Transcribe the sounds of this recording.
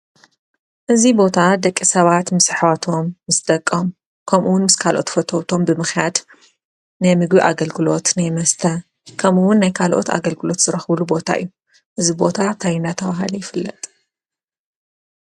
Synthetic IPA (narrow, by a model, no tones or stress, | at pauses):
ʔɨzibo̞t̪ʰad̪ɐkʼːisɐβat̪mɨsħwat̪ʰo̞mːɨst̪ʼɐkʼːom | kʰɐmʔuwʊnmɨskʰalʔo̞̰t̪fɐt̪ʰoβt̪ʰo̞mbɨmɨxjad̪ | najmɨɡbiʔa̰ɡɐlɡɨlo̞t̪najmɐst̪ʰɐ | kʰɐmʔuwʊnːajkʰalʔo̰t̪a̰ɡɐlɡɨlo̞t̪z̥ɨɾɐxβlubo̞t̪ʰa̰ʔɨ̰jːu | ʔɨzibo̞t̪ʰat̪ʰajinat̪ʰɐβaɦa̰lɐjɪfɨlːɐt̪ʼ